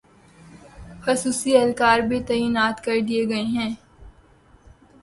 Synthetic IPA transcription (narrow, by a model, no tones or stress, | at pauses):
xɐsuːsiɛlkaːɾbit̪ɐːjinaːt̪kɐɾd̪ieɡɐeɦɛ̃ː